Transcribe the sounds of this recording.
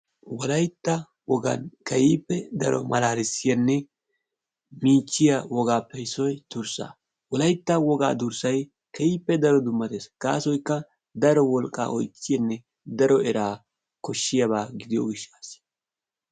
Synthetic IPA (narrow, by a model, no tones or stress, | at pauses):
wɔlɐjt̪ːɐ | wɔɡɐ̰nkɐjiːpːɛd̪ɐ̰ɾɔ̰mʔɐlaːɾɪsɪjɐnːɛ | miːt͡ʃːɪjɐwɔɡaːpːɛɪsɔjt̪ʊɾsa̰ː | wɔlɐjt̪ːɐwɔɡa̰ːd̪ʊɾsɐj | kɐjiːpːɛd̪ɐɾɔd̪ʊmːɐt̪esɡ̥a̰ːsɔjkːɐ | d̪ɐɾɔwɔlkʼːa̰ːʔɔ̰jt͡ʃʼːɪjɐnːɛ | d̪ɐɾɔɛɾaː | kɔʃːɪjɐβaːɡɪd̪ɪjo̰ːɡɪʃːaːs